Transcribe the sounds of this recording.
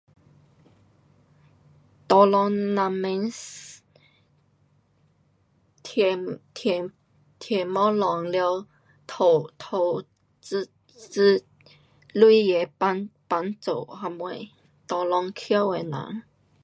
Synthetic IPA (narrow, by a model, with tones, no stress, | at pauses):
t̪ɔ˧lɔ˧ŋna˧me˧˦ns | tʰt̪ʰ | t̪ʰɛ˨mɔ˦lɔ˨˩ŋljo˧ | t̪ʰo˨˩t̪ʰo˧˩ | t͡s | t͡s̩˦ | lu˥˧jɛ˨˩˧npa˧˥nt͡so˨˩˨ha˧mwe˧˩ | t̪ɔ˨˧lɔ˧ŋkʰjo˦e˨˩nã̰˨˦ŋ